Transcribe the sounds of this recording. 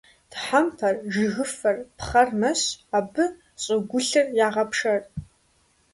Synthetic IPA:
d̥ħampʰɐrʒɪɣɨfɐrpχɐrmɐɕaːbɨ | ɕʼɪɡʷʊɬɨrjaːʁɐpʰʂɐr

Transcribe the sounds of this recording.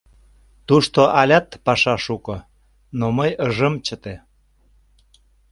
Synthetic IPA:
t̪uʃt̪oʔɑlʲɑt̪pɑʃɑʃukɤ̆ | noməjəʒəmt͡ɕət̪e

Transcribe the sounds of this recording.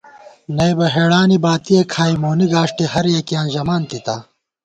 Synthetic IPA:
nɐjbɐɦeːɽaːnibaːt̪iekʰaːimoːniɡaːʂʈihɐɾjekijãːnʑɐmaːnt̪it̪aː

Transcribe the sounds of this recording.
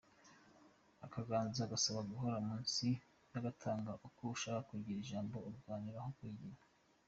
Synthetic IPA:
akaɡaːnzaɡasaβaɡuɦo̞ɾamuːnsi | jaɡatʰaːŋɡaʔukuuʃaɾakuɾɟiɾiʒaːmbo̞uɾɡwaːniɾahokwiːɟiɾa

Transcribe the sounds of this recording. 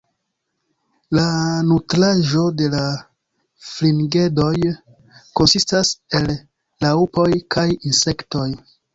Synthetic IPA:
lanutɾaʒo̞de̞la | flinɡe̞do̞j | ko̞nsistase̞lː | aupo̞jkʰajinse̞kto̞j

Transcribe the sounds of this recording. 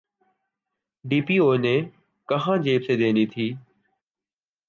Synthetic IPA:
ɖiːpiːoːnẽː | kəɦãːd͡ʒeːbseːd̪ẽːniːt̪ʰiː

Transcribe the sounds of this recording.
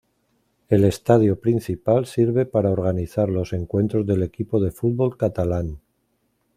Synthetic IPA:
e̞le̞st̪aðjopɾin̟θipalsiɾβe̞paɾaoɾɣ̞aniθaɾlo̞se̞ŋkwe̞nt̪ɾo̞zðe̞le̞kipo̞ð̞e̞fud̪βo̞lkat̪alan

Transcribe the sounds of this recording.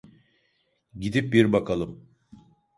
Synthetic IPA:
ɟid̪ip̚biɾbakʰalˠɯm

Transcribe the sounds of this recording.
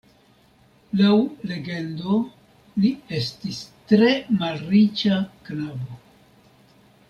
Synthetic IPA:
lawle̞ɡe̞ndo | lie̞stistɾe̞malrit͡ʃaknabo

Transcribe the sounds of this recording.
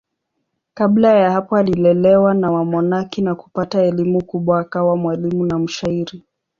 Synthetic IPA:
kablajahapɔalilɛlɛwanawamɔnakinaku̥pataɛlimukuɓwakawamwalimunam̩ʃaiɾi

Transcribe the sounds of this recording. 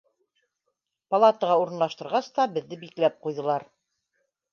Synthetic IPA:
pɐlˠat̪əʁɑuɾɤ̆nlˠɑʃt̪ɤ̆ɾʁɑst̪ɑbɘ̆ðːɘbiklæp̚qujðɤ̆lˠɑɾ

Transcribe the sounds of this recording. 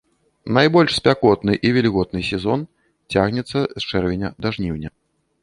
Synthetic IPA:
najbɔlʲʂsʲpʲakɔt̪nɨʔivʲɛlʲiɣɔd̪̚nɨsʲɛzɔn | t͡sʲaɣnʲɛt̪sːɐst͡ʂɛrvʲɛnʲɐd̪aʐnʲiwnʲɐ

